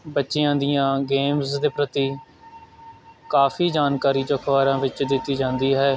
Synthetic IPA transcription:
bətːʃɪjãːd̪ɪjãːɡeːmsd̪eːpɾət̪iː | kaːfiːd͡ʒaːnkaːɾiːd͡ʒoːkʰʋaːɾãːʋɪt͡ʃd̪ɪt̪ːiːd͡ʒãːnd̪iːɦɛː

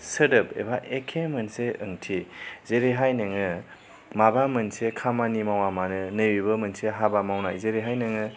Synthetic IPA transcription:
sədɯpḛbaʔekʰemɐnseɯŋtʰizeɾeɦajnɯŋɯ | mabamɯnsekʰamanimawamanɯnɯjibɯmɯnseɦabamawnajzeɾeɦajnɯŋɯ

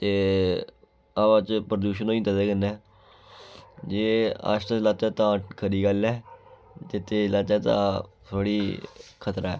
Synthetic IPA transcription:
t̪eː | aːʋaːt͡ʃpɾəd̪uːʃ̬ənoːĩt̪əd̪eːkənɛː | d͡ʒeːa̰ːʃt̪əlat̪ɛːt̪ãːkʰəɾiːɡalɛː | d͡ʒɪt̪ʰːelat͡ʃɛːt̪ã̰ | t̪ʰoːɽiːkʰət̪ɾaːɛ̰ː

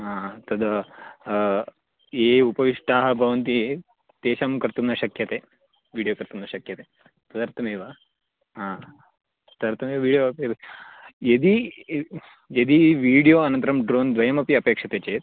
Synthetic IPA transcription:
ɦãːt̪ɐd̪ | eːupɐʋiʂʈaːɦɐ̆bʱɐʋɐnt̪̬i | t̪eːɕamkɐɾt̪umnɐɕɐkʰjɐt̪eː | ʋiːɽijoːkɐɾt̪umnɐɕɐkjɐt̪e | t̪ɐd̪ɐɾt̪ʰɐmeːʋa | ɦãː | t̪ɐd̪ɐɾt̪ʰɐmeːʋɐʋiːɽijoɐpe | jed̪i | jed̪iʋiːɽijoːɐnɐnt̪ɐɾɐmɖɾoːnd̪ʋɐjɐmɐpiɐpeːkʂɐt̪eːt͡ɕeːt̪̚

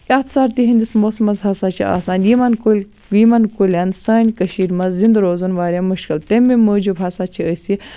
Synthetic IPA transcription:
at̪saːɾt̪iɦind̪ismoːsmɐzɦɐsaːt͡ʃʰia̰ːsaːnjimɐnkulʲ | jimɐnkulʲɐnsɐːnʲkɐʃiːɾmɐzzind̪ɾoːzunʋaːɾʲjaːmuʃkilt̪emiməːd͡ʒubɦɐsaːt͡ʃʰiəsi

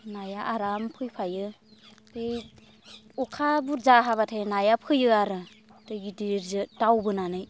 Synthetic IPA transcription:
najaʔaɾampʰɯjpʰajɯ | tej | ɔkʰabuɾzaɦaβatʰajnajapʰɯjɯaɾɯ | dɯɡidiɾzɯdawbɯnanɯj

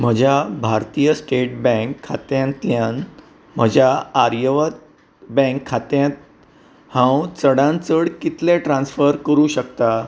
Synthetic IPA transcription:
m̤əd͡ʑʱabʱaɾt̪ijəsʈeʈ̚bɛ̃ŋkʰːat̪jãnt̪ljãn | m̤əd͡ʑʱaːɾjəʋət̪̚ | bɛ̃ŋkʰːat̪jãt̪̚ | hãwt͡səɽãnt͡səɽkit̪lẽʈɾãnsfəɾkəɾuːɕək̚t̪a

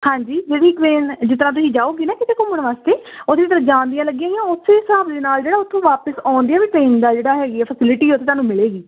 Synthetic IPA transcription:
hãːɲd͡ʒiːd͡ʒeːɽiːkʋeːnd͡ʒɪt̪ɾãːt̪̬ʊsĩːd͡ʒaːoːɡiːnaːkɪt̪eːkomːəɳʋaːst̪eːʊt̪ʰːeːt̪əɾəd͡ʒãːnd̪ijãːləɡjãːɡiãːʊsʰeːsaːbd̪eːnaːld͡ʒeːɽaːʊt̪ʰːõːʋaːpəsãːnd̪iaːʋiːʈɾeːnd̪aːd͡ʒeːɽaːɦɛːɡiɛːpʰəsɪlɪʈiːoʊt̪ʰːeːt̪aːnũːmɪleːɡiː

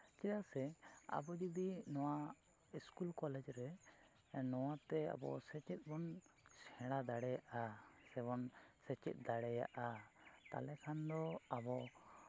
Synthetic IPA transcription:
t͡ʃijasɛa̰bɔd͡ʒɔd̪inɔwa | iskulkɔlɛd͡ʒɾɛ | nɔwat̪ɛa̰bɔ̰sɛt͡ʃɛt̪̚ˀbɔnsɛ̃ɽad̪aɽɛjaʔasɛbɔnsɛt͡ʃɛ̰t̪̚ˀd̪aɽɛja̰ʔat̪a̰lɛkʰand̪ɔabɔ

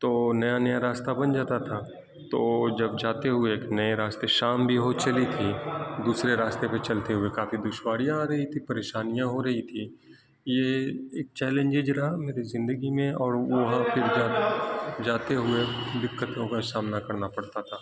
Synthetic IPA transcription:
t̪oːnɐjanɐjaɾaːst̪abɐnd͡ʒaːt̪at̪ʰa | t̪oːd͡ʒɐb̚d͡ʒaːt̪eɦʊeːknɐeɾaːst̪eʃaːmbʱiɦot͡ʃɐlit̪ʰid̪uːsɾeɾaːst̪epet͡ʃɐlt̪eɦʊekaːfid̪ʊʃwaːɽijãɾɐɦit̪ʰipɐɾeːʃaːnijãɦoɾɐɦit̪ʰi | jeeːk̚t͡ʃɛːlẽnd͡ʒed͡ʒɾɐaɦameːɾizɪ̃nd̪əɡimẽɔːɾʋɐɦãpʰɪɾd͡ʒaː | d͡ʒaːt̪eɦʊed̪ɪkːət̪õkasaːmnakɐɾnapɐɽt̪at̪ʰaː

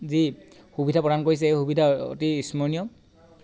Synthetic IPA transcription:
zi | xubidʱapɹɔɾankoɹis̬ɛejxubidʱao̰tiːsmɔnijɔ

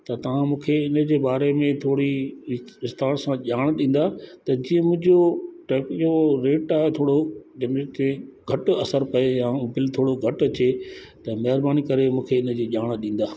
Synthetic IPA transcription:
t̪ɐt̪ɐʋ̤ãmũːkʰeɪnə̆d͡ʑeːbaːɾemẽt̪ʰoːɽi | ɪst̪aːɾsãʄaːɽ̃ɗĩːn̆d̪aːt̪ɐd͡ʑiə̃mʊ̃ɦɪ̃ɲd͡ʑoʈɛːpjoɾeːʈaːɦet̪ʰoːɽod͡ʑɐmet̪eɡʱɐʈɐsəɾpɐejãːbɪlt̪ʰoːɽoɡʱɐʈɐt͡ɕet̪ɐmɐɦɪɾbaːnikɐɾemũːkʰeɪnəd͡ʑeːʄaːɽ̃̆ɗĩːn̆d̪aː

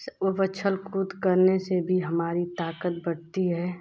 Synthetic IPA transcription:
obət͡ʃʰəlkuːt̪kəɾnesebʱiɦɐmaːɾit̪aːkət̪̚bəɽt̪iɦɛː

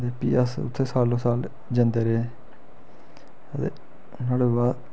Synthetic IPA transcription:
d̪eːpḭːəsʊ̰t̪ʰːeːsaːlõːsaːl | d͡ʒə̃nd̪eːɾee | ət̪ḛː | naːɽeːbaː

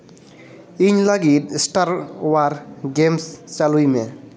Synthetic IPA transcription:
iɲlaɡit̚sʈaɾwaɾɡemst͡ʃalujme

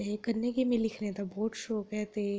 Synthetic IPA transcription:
ekɐɾnekimẽlɪkʰnet̪abɔːt̪ʃɔːkɦɛt̪e

